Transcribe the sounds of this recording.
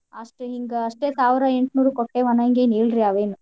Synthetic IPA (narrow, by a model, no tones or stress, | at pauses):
ɐʂʈɦiŋɡɐɐʂʈeːsaːʋɾɐe̞ɳʈnuːɾukoʈːeːʋɐnːɐiŋɡeːneːɭɾiaʋeːnu